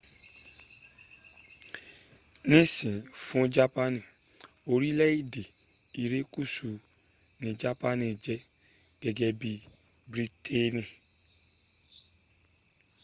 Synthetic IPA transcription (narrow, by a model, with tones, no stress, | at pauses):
nĩ˦sĩ˨fũ˦d͡ʒa˦pa˦nĩ˨ | o˧ɾi˦lɛ˦i˦˨de˨ | i˨ɾe˨˦ku˦˨su˨ | nĩ˧d͡ʒa˦pa˦nĩ˧d͡ʒɛ˧˦ | ɡ̥ɛ˧ɡɛ˧bi˧ | bɾi˦tʰe˦nĩ˧